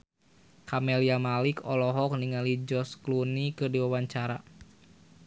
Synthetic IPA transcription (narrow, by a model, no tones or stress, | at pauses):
kamɛliamalikɔlɔɦɔk̚niŋalid͡ʒɔsklunikədiwawaɲt͡ʃaɾa̰